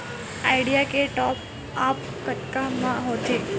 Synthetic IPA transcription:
ajɽijakeʈɔp̚ | ap | kət̪kamãɦot̪e

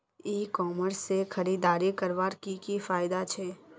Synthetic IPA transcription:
iːkɔːməɾsːexʰɐɾiːd̪aːɾikəɾʋaːɾkikifaːɪd̪at͡ʃʰɛː

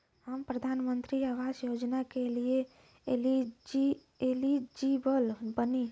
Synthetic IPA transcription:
həmpɾəd̪ʱanmənt̪ɾiaʋad͡ʒjod͡ʒnakelie | lii | elid͡ʒibəlbəni

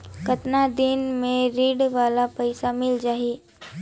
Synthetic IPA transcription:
kɐt̪nad̪ɪnmẽɾiːɽʋaːlapɐɪsamɪld͡ʒaːi

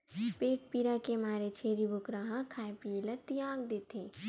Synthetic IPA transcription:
peːʈ̚piːɾakemaːɾet͡ʃʰeːɾibʱʊkɾaɦãkʰaːjpielɐt̪ijãːɡd̪eːt̪eː

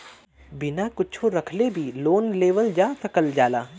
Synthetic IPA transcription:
bɪnakʊt͡ʃʰõɾɐkʰlebʱiloːnleːʋəld͡ʒaːsɐkəld͡ʒaːlaː

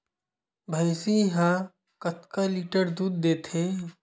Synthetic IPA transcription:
bʱɐɪsiɦã | kət̪kaliʈəɾd̪uːd̪̚ːeːt̪ʰe

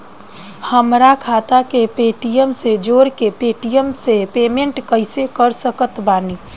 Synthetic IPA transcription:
həmɾakʰaːt̪akepeːʈijəmsed͡ʒoːɾkepeːʈijəmsepeːmẽɳʈkəɪsekəɾsəkət̪baːni

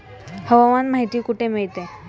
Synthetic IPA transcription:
həʋamanmaɦit̪iːkuʈʰemeɭt̪e

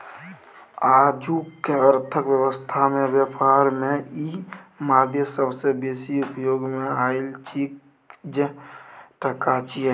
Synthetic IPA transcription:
aːd͡ʒukːeəɾt̪ʰəkʋjəwəst̪ʰamẽbjəpaːɾmẽimaːd̪ʱjəsəbsebeːsiʊpjoːɡmẽaːɪlt͡ʃʰik | d͡ʒeʈəkat͡ʃi

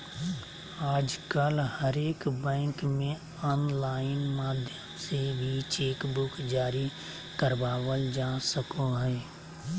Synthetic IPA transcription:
aːd͡ʒkəlhəɾeːkbɛ̃ːŋkmẽ | ɔːnlaːɪnmaːd̪ʱjəmsebʱit͡ʃeːkbʊkd͡ʒaːɾi | kəɾbaːwəld͡ʒaːsəkoɦɛː

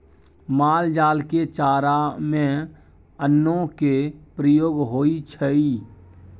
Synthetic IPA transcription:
maːld͡ʒaːlket͡ʃaːɾamẽ | ənːõkepɾəjoːɡɦoːit͡ʃʰəi

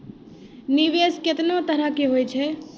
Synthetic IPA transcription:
niʋeskɪt̪not̪əɾəɦkeɦojt͡ʃʰɛ

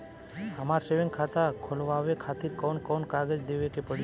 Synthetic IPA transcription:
əmaɾseʋiŋkʰat̪akʰolʋaʋekʰat̪iɾkɔnkɔnkaɡəd͡ʒd̪eʋekepəɽi

